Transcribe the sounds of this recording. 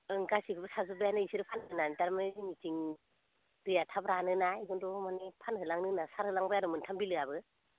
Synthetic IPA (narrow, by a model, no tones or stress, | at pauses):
ɯŋkasikʰɯbɯsazɯbajanɯisiɾɯpʰanɯnantaɾmaneinitiŋ | dɯjatʰabɾanɯnajɡɔndɔmanepʰanɦɯlaŋnɯnasaɾhɯlaŋbajaɾɔmɯntʰambilɯabɯ